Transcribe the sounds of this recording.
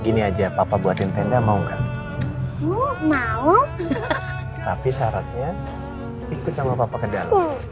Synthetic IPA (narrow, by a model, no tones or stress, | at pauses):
ɡiniad͡ʒapapabuat̪ɪnt̪ɛndamauŋɡa̰ʔ | umau | t̪apisaɾat̪̚ɲa | ikʊt̪̚samapapakədala